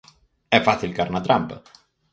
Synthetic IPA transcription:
ɛfːasilkaɾnat̪ɾamp

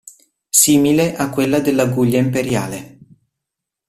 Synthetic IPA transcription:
siːmileʔakːwelːad̪elːaɡuʎːaimpeɾjaːle

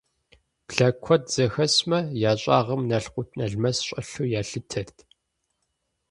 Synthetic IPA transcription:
ɮɐkʷʰɔdz̥ɐxɐsmɐjaːɕʼaːʁɐmnɐɬqʷʊtʰnɐɮmɐsɕʼɐɬuːjaːɬɨtʰɐrtʰ

